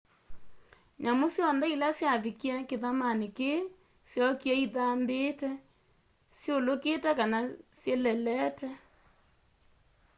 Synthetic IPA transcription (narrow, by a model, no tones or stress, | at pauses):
ɲamosjɔndɛilasjaβikiɛkeðamaneke | sjɔkiɛiðambeːtɛ | sjoloketɛkanasjelɛlɛtɛ